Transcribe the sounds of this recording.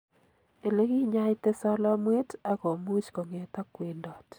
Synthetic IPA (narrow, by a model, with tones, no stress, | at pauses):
e˨le˦ki˦ɲa˦jte˦sɔ˦lɔ˦mwe˦ta˨ko˨mu˦t͡ʃko˨ŋe˨ta˦kwe˨ndɔ˨t